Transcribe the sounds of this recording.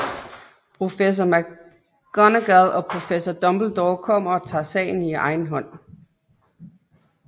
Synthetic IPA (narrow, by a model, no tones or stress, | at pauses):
pʰʁo̝fes̬ɒmæ | ɡ̥ɒnəɡ̥æðˠɒ̽pʰʁo̝fesɒd̥ɒ̽mb̥l̩d̥ɒʊkʰɒ̽m̰ɐɒ̽t͡sʰɑ̰̈ːsɛ̰ɪn̩iʔɑ̈ɪn̩ɦɒ̽n̰